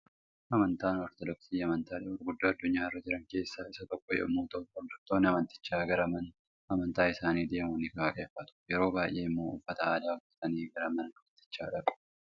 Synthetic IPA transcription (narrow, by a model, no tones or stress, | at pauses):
ʔɐmɐnt̪aːnɔɾt̪ɔd̪ɔksiːɐmɐnt̪aːᶑɐwɔɾɡʊd̪ːoːɐd̪ːʊɲːaːrːɐd͡ʒɪɾɐŋke̞ːsːaːɪsɐt̪ɔkːɔjɛ̰ʔʊmuːt̪oɔd̪ɐɾt̪oːnːɪɐmɐnt̪ɪ̥t͡ʃːaːɡɐɾɐmɐn | ɐmɐnt̪aːɪsaːniːd̪e̞ːmuːnɪkaːkʼeːfɐt̪ʊ̥jɛɾo̞ːbaːjʔe̞ːɪmːo̞ːʊ̰fːɐt̪ɐaːd̪aːʊfːɐ̥t̪ɐniːɡɐɾɐmɐnɐɐmɐnt̪ɪ̥t͡ʃːaːᶑɐkʼʊ̥